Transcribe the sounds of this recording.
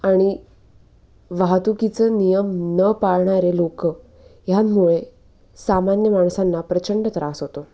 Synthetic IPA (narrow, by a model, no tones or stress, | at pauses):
aɽ̃i | ʋaɦt̪ukit͡sənijəmnəpaɭɳaɾelokə | jamuɭe | samanjəmaɽ̃sanːapɾət͡ɕəɳɖət̪əɾasɦot̪o